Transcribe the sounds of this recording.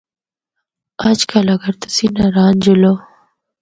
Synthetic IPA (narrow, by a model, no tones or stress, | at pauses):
at͡ʃkʰalaɡaɾt̪ḁsinaɾɑːnd͡ʒulo